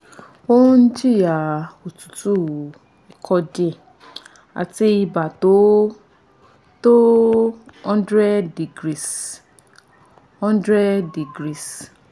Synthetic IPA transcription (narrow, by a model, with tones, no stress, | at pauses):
o˦n̩˦d͡ʒi˦˨ja˨o˨tu̥˨tu˦ | i˨kʰɔ˧d͡ʒɛ˦˨ | a̰˨ti˧i˧ba˨to˨˦ | to˦ | ɔ̃˦n˦dɾɛ˦di˨ɡɾi˦˨s | ɔ̃˦n˦dɾɛ˦di˨ɡɾi˦˨s